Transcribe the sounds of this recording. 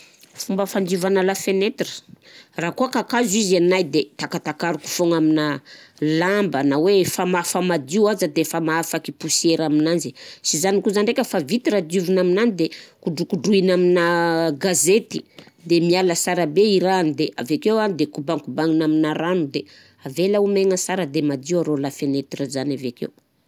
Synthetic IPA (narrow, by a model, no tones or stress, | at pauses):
fumbəfandivanalafenet̪rə̥raːkuakakazuizianajd̪et̪akat̪akaɾuku̥foŋaminəlambənawefamafamad̪iwazəd̪efamaafakipusieɾaminanzisizanikuzanɖ͡ʐekʲəfavit̪iɾad̪uvunaminanid̪ekuɖ͡ʐukuɖ͡ʐuinaminəɡazet̪i̥ | d̪emialəsaɾabeiɾanid̪eʔa̰vekewanid̪ekubaŋkubaŋinaminaɾanud̪e | avelaumeŋəsaɾəd̪emad̪iuaɾolafenet̪irazanavekḛw